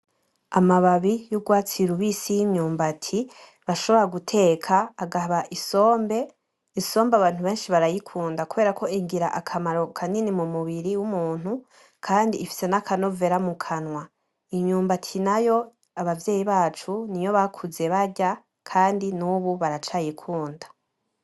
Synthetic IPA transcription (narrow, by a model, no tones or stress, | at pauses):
amaβaβijuɡwaːt͡siɾuβisijiɲɲuːmbatʰi | βaʃo̞βo̞ɾaɡutʰe̞kʰaːɡaβaʔiso̞ːmbe̞ | iso̞ːmbaβaːn̥uβe̞ːnʃiβaɾajikʰuːndakuβe̞ɾakʰo̞iŋɡiɾa̰ʔakʰamaɾo̞kʰaninimumuβiɾiwumuːn̥hu | kʰaːndiːfi̥se̞nakʰano̞ve̞ɾamukʰanwa | iɲɲuːmbatʰinajo̞ | aβavje̞ːjiβaːt͡ʃunijo̞βakʰuze̞βaɟa | kʰaːndinuβuβaɾat͡ʃajikʰuːndḁ